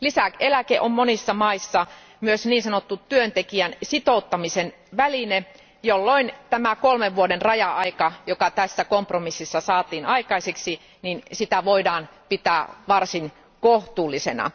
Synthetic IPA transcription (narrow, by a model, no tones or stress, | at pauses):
lisækelækeʔommonisːɑmɑisːɑ | myøsniːnsɑnot̪ːuttyønt̪ekiænsit̪out̪ːɑmisen | ʋæline | jolːoint̪æmækolmeʋʋuodenrɑjɑɑikɑjokɑt̪æsːækompromisːisːɑsɑːt̪iːnɑikɑiseksi | ninsit̪æʋoidɑːnpit̪æːʋɑrsin | koht̪uːlːisenɑ̰